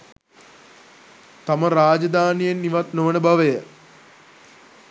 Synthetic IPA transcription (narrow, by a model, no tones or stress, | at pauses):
t̪aməɾaːd͡ʒɐd̪aːnijenːiʋat̪noʋənəbaʋəjə